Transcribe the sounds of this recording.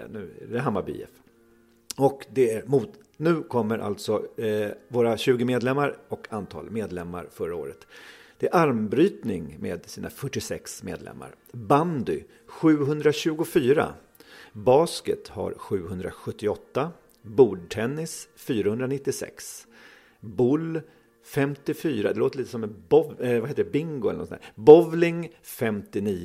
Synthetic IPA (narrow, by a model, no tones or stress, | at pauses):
nʉ̟ːɛ̰d̪ɛɦamːabḭːɛ̰f | ɔkd̪ɛæɾmuːt̪ | nʉ̟ːkʰɔmːəɾʔa̰lt̪sɔ | voːɾaɕʉ̟ːɡəmeːd̪lɛmːaɾɔkʰant̪ʰɑ̰ːlmeːd̪lɛmːa̰ɾfœɾaoːɾət̪d̪̥ɛæɾʔaɾmbɾyːt̪nɪŋmḛːd̪siːnʔa̰fœʈːɪsɛksmḛːd̪lɛ̰mːa̰ɾ | band̪ʏ | ɧʉ̟ːɦɵnd̪ɾaɕʉ̟ːɡʊfyːɾa̰ | bɑːskət̪ha̰ɾɧʉ̟ːɦɵnd̪ɾa̰ɧɵt̪ːɪɔt̪ːa | buːɖʈʰɛnːɪsfyːɾahɵnd̪ɾanɪt̪ːɪsɛ̰ks | bʊl | fɛmt̪ɪfyːɾad̪ɛloːt̪əɾɭiːt̪əsɔmːɛbɔvɛvaheːt̪əɖɛbɪŋɡʊɛlənɔsnæ̰bɔvlɪŋfɛmt̪ɪniː